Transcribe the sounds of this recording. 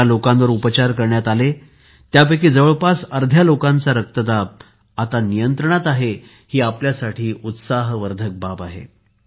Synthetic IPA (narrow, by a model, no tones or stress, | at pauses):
alokanʋəɾupət͡ɕaɾkəɾɳjat̪ale | t̪japəkiːd͡zəʋəɭpasəɾd̪ʱjalokant͡saɾək̚t̪əd̪ab̚ | at̪anijənt̪ɾəɳ̃at̪aɦe | hiːapljasaʈʰiːut̪saɦʋəɾd̪ʱək̚babaɦḛ